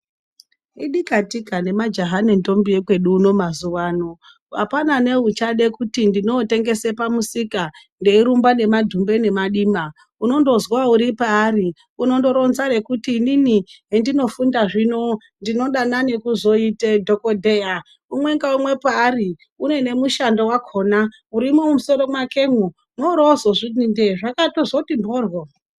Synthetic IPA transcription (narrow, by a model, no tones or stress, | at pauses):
iɗikatikane̞mad͡ʒaɦanento̞mbiekwe̞ɗuːno̞mazuʋaːno̞ | a̰panane̞ut͡ʃaɗe̞kutindino̞te̞ŋɡe̞sepamusika | nde̞iɾumbane̞madʱumbe̞ne̞maɗima | uno̞ndo̞zwauɾipaːri | uno̞ndo̞ɾo̞nzare̞kutiːniniɦendino̞fundaʐino̞ | ndino̞ɗanane̞kuzo̞itedʱo̞kodʱe̞ja | umwe̞ŋɡaumwe̞paːri | une̞ne̞muʃandowakʰo̞na | uɾimoumuso̞ɾo̞mwake̞ŋu | noɾozoʐinindeʐakatozo̞timboːrwo